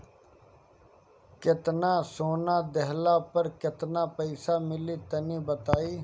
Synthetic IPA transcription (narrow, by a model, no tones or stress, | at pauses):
kɪt̪nãːsoːnaːd̪əɦlaːpəɾkɪt̪naːpəɪsaːmɪliːt̪ɐniːbət̪aːiː